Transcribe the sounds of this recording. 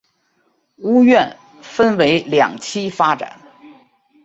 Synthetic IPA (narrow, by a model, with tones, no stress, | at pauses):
u˥ɥɛ˥˩n | fə˥nwe˧˥ɪljɑ̰˨˩ŋt͡ɕʰi˥fa˥ʈ͡ʂa̰˨˩˦n